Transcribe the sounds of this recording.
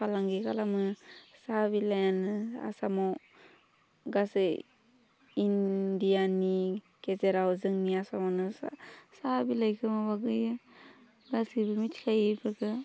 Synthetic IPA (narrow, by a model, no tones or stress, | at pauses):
pʰalaŋɡikʰalamɯsabilajanɯa̰sama | ɡasɯ | indijani | kezeɾawzɯŋniasamanɯsasabilajkʰɯmabaɡɯjɯ | ɡasibɯmitkʰajɯbʰɯɡʰɯ